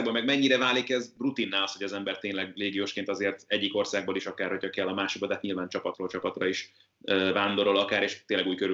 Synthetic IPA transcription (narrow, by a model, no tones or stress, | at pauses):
ɡ̚bolmɛɡmɛɲːiɾɛvaːlikɛzbrut̪inːɛːlɒsho̞ɟɒzɛmbɛrt̪eːnlɛɡleːɡijoːʃkeːnt̪ɒzeːrt̪ɛɟːiko̞rsaːɡboːliʃɒkaːrho̞cʰhɒkɛlːɒmaːʃoɡbod̪aːt̪ɲilvaːnt͡ʃɒpɒt̪roːlt͡ʃɒpɒt̪rɒiʃ | øvaːnd̪o̞ɾo̞lɒkaːɾeʃt̪eːnlɛɡuːjkø